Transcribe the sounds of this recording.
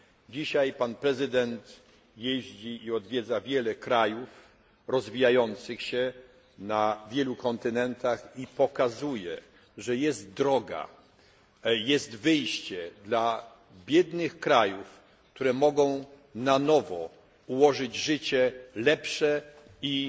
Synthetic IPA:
d͡ʑiɕajpanpɾɛzɘd̪ɛnt̪ | jeʑd͡ʑiiɔd̪vʲjɛd̪zavʲjɛlɛkɾajuf | ɾɔzvʲijajɔnt̪sɘxɕɛ | navʲjɛlukɔnt̪ɘnɛnt̪axipɔkazujɛ | ʐɛjɛst̪̚d̪ɾɔɡa̰ | jɛst̪vɘjɕt͡ɕɛd̪la | bʲjɛd̪nɘxkɾajuf | kt̪uɾɛmɔɡɔ̃w̃ | nanɔvɔ̰ | uwɔʐɘd͡ʑʐɘt͡ɕɛlɛpʂɛ | i

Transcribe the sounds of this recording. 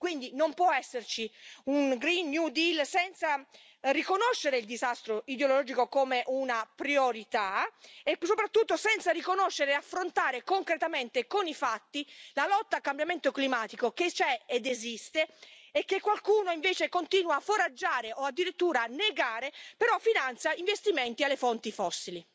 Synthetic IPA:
kwind̪inompwɔɛsːert͡ʃiuŋɡɾinːjud̪ilsɛnt̪sa | rikonoʃːeɾeild̪izast̪ɾoid̪jollɔːd͡ʒikokomeʔunapɾioɾit̪aesopɾat̪ːut̪ːosɛnt̪sarikonoʃːeɾeafːɾont̪aːɾekoŋkɾet̪ament̪ekonifat̪ːilalɔt̪ːalkːambjament̪oklimaːt̪ikoket͡ʃɛed̪ezist̪eːkːekːwalkuːnoiɱveːt͡ʃekont̪iːnwaːfoɾad͡ʒːaːɾeʔoad̪ːiɾit̪ːuːɾaːnːeɡaːɾepeɾɔfːinant̪sjaiɱvest̪iment̪ialːefɔnt̪ifɔsːili

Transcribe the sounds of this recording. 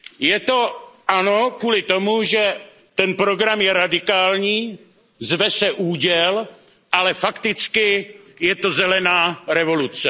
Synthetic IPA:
jɛt̪o̞ʔano̞kuːlɪt̪o̞muʒɛ | t̪ɛnpɾo̞ɡɾamjɛɾadɪkaːlɲiː | zvɛsɛʔuːɟɛl | ʔalɛfakt̪ɪt͡skɪjɛt̪o̞zɛlɛnaːɾɛvo̞lut͡sɛ

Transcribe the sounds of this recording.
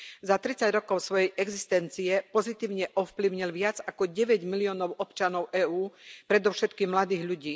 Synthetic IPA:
zat̪ɾit͡saɟɾɔkɔʊsʋɔjɛjʔɛɡzist̪ɛnt͡siɛpɔzit̪iːʊɲɛʔɔfpliʊɲilʋɪad͡zakɔɟɛʋɛɟmiliɔːnɔʊɔpt͡ʃanɔʊʔɛːuːpɾɛd̪ɔʊʃɛt̪kiːmmlad̪iːɣʎuɟiː

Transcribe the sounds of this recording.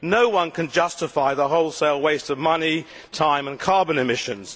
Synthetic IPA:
nəʊwʌ̃nkʰə̃nd͡ʒʌstɪfaɪðəɦoʊlˠseɪlˠweɪstəvmʌni | tʰãɪ̃mə̃nkʰɑːbə̃nɪmɪʃə̃nz̥

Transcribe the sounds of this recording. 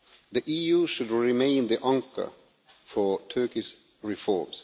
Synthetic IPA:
ðiʔijuʃʊdɹɪmẽɪ̃nðiʔãŋkə̰ | fətʰɜ˞kɪʃ | ɹɪfɔɹmz̥

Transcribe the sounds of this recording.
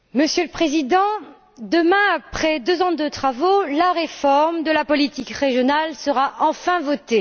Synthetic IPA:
məsjøləpχezid̪ɑ̃ | d̪əmɛ̃apχɛd̪øzɑ̃d̪ət̪χavolaʁefɔʁmd̪əlapɔlit̪ikʁeʒjɔnalsəʁaʔɑ̃fɛ̃vɔt̪e

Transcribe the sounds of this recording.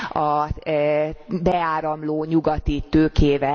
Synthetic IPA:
ɒ | bɛaːɾɒmloːɲuɡɒt̪it̪øːkeːvɛ

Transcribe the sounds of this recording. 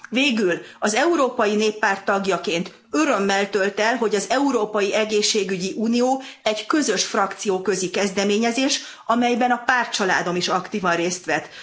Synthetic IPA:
veːɡylɒzɛuɾoːpɒjineːpːaːrt̪ːɒɡjɒkeːnt̪ | ø̞ɾø̞mːɛlt̪ø̞lt̪ɛlɦo̞ɟɒzɛuɾoːpɒjiʔɛɡeːʃːeːɡyɟiʔuːnijoːɛɟkø̞zø̞ʃfrɒkt̪sijoːkø̞zikɛzd̪ɛmeːɲɛzeːʃ | ɒmɛjbɛnɒpaːrt̪̚t͡ʃɒla̰ːd̪o̞miʃɒkt̪iːvɒnreːst̪ʋɛt̪

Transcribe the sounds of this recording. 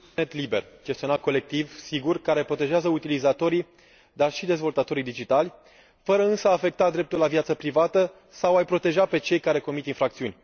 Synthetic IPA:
net̪libe̞rd͡ʒe̞st̪io̞nat̪̚ko̞le̞k̚t̪ivsiɡurkaɾe̞pɾo̞t̪e̞ʒeazəut̪ilizat̪o̞ɾi | d̪arʃid̪e̞zvo̞lt̪at̪o̞ɾid̪id͡ʒit̪alʲ | fəɾəɨnsəaːfe̞k̚t̪ad̪ɾe̞p̚t̪ulavjat̪səpɾivat̪ə | sawajpɾo̞t̪e̞ʒape̞t͡ʃe̞jkaɾe̞ko̞mit̪infɾakt̪siunʲ

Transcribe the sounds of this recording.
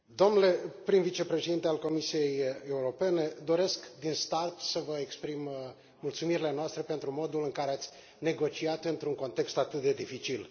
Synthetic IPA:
d̪o̞mnle̞pɾinvit͡ʃe̞pɾe̞ʃed̪int̪ealko̞misije̞jeuɾo̞pe̞ne̞d̪o̞ɾe̞skd̪inst̪art̪səvəekspɾim | mult̪sumiɾile̞noast̪ɾe̞pe̞nt̪ɾumo̞d̪ulɨŋkaɾeat̪sʲ | ne̞ɡo̞t͡ʃiat̪ɨnt̪ɾuŋko̞nt̪e̞kst̪at̪ɨt̪̚d̪e̞d̪ifit͡ʃil

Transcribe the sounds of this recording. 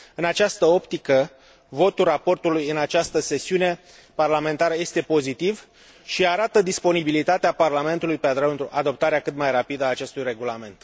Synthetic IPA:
ɨnat͡ʃast̪əo̞pt̪ikə | vo̞t̪urapo̞rt̪ulujɨnat͡ʃast̪əse̞siune̞ | parlame̞nt̪aɾəje̞st̪e̞po̞zit̪iv | ʃiaɾat̪əd̪ispo̞nibilit̪at̪eaparlame̞nt̪ulujpead̪ɾənt̪ɾuʔad̪o̞p̚t̪aɾeakɨt̪majrapid̪əaːt͡ʃe̞st̪ujre̞ɡulame̞nt̪

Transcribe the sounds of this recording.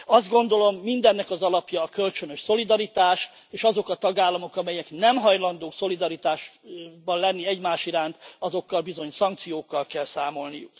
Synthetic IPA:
ɒzd̪̚ɡo̞nd̪o̞lo̞mːind̪ɛnːɛkɒzɒlɒpjɒːkølt͡ʃønø̞ʃso̞lid̪ɒɾit̪aːʃ | eːʃɒzo̞kɒt̪ɒɡaːlːɒmo̞kɒmɛjɛknɛmɦɒjlɒnd̪oːso̞lid̪ɒɾit̪aːʃbɒllɛnːiɛɟmaːʃiɾaːnt̪ɒzo̞kːɒlbizo̞ɲsɒŋk̚t̪sijoːkːɒlkɛlsaːmo̞lnijuk

